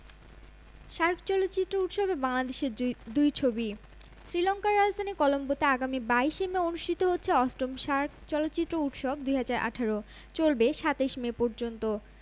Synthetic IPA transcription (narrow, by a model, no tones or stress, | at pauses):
ʃaɾkʰt͡ɕɔlot̪ːɕit̪ːɾouʈʃɔbebaŋlad̪eʃeɾd̪ujt͡ɕʰobi | sɾilɔŋkaɾːad͡ʑd̪ʱanikɔlombot̪aaɡamibaiʃemeonuʃʈʰit̪oɦotːɕʰeɔsʈomʃaɾkʰt͡ɕɔlot̪ːɕit̪ːɾouʈʃɔbd̪ujɦad͡ʑaɾʔa̰ʈʰaɾo | t͡ɕolbeʃat̪eʃmepɔɾd͡ʑont̪o